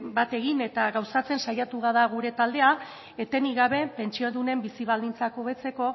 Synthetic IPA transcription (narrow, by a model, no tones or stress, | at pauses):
bat̪e̞ɣ̞ine̞t̪aɣawsat͡se̞nsajat̪uɣaðaɣuɾe̞t̪ald̪e̞a | et̪e̞niɣaβe̞pe̞nt͡ʃioðune̞mbisiβ̞ald̪int͡sakoβe̞t͡se̞ko̞